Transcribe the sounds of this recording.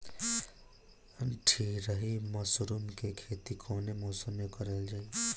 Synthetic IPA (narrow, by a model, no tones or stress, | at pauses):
ʈʰiːkɾəɦimɔsɾumkekʰeːt̪ikʰoːnemɔːsəmːẽkəɾeld͡ʒaːi